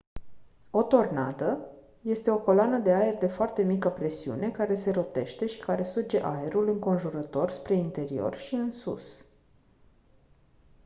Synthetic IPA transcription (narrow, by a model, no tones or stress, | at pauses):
o̞t̪o̞rna̰d̪ə | je̞st̪e̞o̞ko̞lanəd̪e̞ae̞rd̪e̞foart̪e̞mikəpɾe̞siṵne̞kaɾe̞se̞ɾo̞t̪e̞ʃt̪e̞ʃi̥kaɾe̞sud͡ʒe̞ʔae̞ɾulɨŋko̞nʒuɾət̪o̞rspɾe̞int̪e̞ɾio̞̰rʃiɨnsṵs